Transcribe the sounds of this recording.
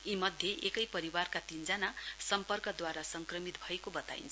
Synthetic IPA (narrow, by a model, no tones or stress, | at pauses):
imʌd̪ʱjeʔekʌjpʌɾiwarkat̪ind͡zanasʌmpʌrkʌd̪waɾasʌŋkrʌmit̪bʱʌekobʌt̪a̰j̰nt͡sʰ